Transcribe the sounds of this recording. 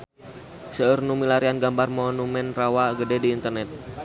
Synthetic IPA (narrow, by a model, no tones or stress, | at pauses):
səərnumilaɾianɡambarmɔnumɛnrawaɡədɛdiːnt̪ərnɛt̪̚